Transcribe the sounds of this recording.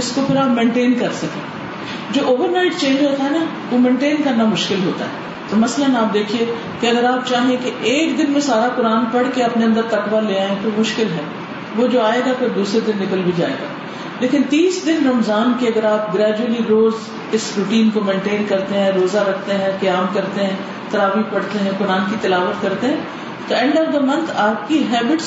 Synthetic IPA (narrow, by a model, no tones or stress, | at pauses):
ɪskopʰɪɾaːpmẽːɳʈeːnkɐɾsɐkḛ̃ː | d͡ʒoːʔoːʋəɾnaɪʈt͡ʃẽːnd͡ʒɦoːt̪aɦɛna | ʋomẽːɳʈeːnkɐɾnamʊʃkɪlɦoːt̪a̰ɦɛ̰ː | t̪omɐslənaːp̚d̪eːkʰie | keɐɡəɾaːp̚t͡ʃaːɦẽkeʔeːkd̪ɪnmẽsaːɾakʊɾaːnpɐɽkeɐpneɐ̃nd̪əɾt̪ɐkʋaleːãːẽt̪omʊʃkɪlɦɛː | ʋod͡ʒoːaːeːɡapʰɪɾd̪uːsɾed̪ɪnːɪkəlbʱid͡ʒaːḛːɡa̰ː | leːkɪnt̪iːsd̪ɪnɾɐmzaːnkeɐɡəɾaːp̚ɡɾɛːd͡ʒuəliɾoːz | ɪsɾʊʈiːnkomẽːɳʈeːnkɐɾt̪eɦɛ̃ɾoːzaɾɐkʰt̪eɦɛ̃kɐjaːmkɐɾt̪eɦɛ̃ː | t̪ɐɾaːʋipɐɽ̤t̪eɦɛ̃kʊɾaːnkit̪ɪlaːʋət̪kɐɾt̪eɦɛ̃ː | t̪oɛ̃ɳɖəʋd̪amɐ̃nt̪ʰaːp̚kiɦɛːbɪʈs